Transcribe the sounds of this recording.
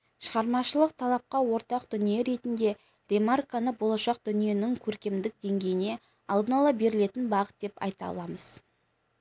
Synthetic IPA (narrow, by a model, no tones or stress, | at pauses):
ʃəʁɑɾmɑʃəlˠəq̚t̪ʰɑlˠɑp̚qɑwo̞ɾt̪ɑqd̪ʏnijeɾe̞t̪ɪnd̪e̞ | ɾe̞markanəbo̞lˠɑʃɑq̚d̪̥ʏnije̞nɪŋkʲʰɵɾkʲe̞md̪ɪk̚d̪e̞ŋɡʲe̞jɪne̞ | ɑlˠd̪ənɑlˠɑbe̞ɾɪle̞t̪ɪnbɑʁət̪̚d̪̥e̞pɑ̰jt̪ɑ̰lˠɑməz̥